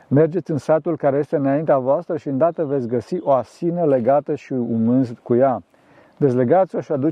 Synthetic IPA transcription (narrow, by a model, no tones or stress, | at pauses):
me̞rd͡ʒe̞t̪sʲɨnsat̪ulkaɾe̞je̞st̪e̞ɨnaint̪eavoast̪ɾəʃiɨnd̪at̪əvet̪sʲɡəsiʔo̞asinəle̞ɡat̪əʃiumɨnzkuja | d̪esle̞ɡat̪sʲoʃiad̪u